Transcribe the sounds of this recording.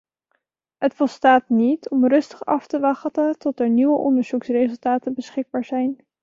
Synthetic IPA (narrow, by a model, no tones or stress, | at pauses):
ɦətfɔlˠstaːtnitɔmrɵstə̥χɑftəʋɑχtətɔtɛɹniʋəʔɔndəɹz̥uksreɵlˠtaːtənbəsχɪɡ̚baːɹz̥ɛjn